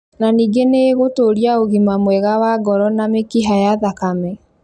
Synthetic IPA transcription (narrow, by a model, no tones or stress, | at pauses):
naniːɡeneɣotoɾiaoɣimamwɛɣawaːɡɔɾɔnamekiɦajaðakamɛ